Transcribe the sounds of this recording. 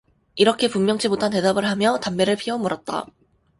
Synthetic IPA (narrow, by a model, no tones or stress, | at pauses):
iɾʌkʰe̞pummːjʌŋt͡ɕʰimotʰante̞dabɯɭɦamjʌtamːe̞ɾɯɭpʰiɦʌmuɾʌt̚t͈a̰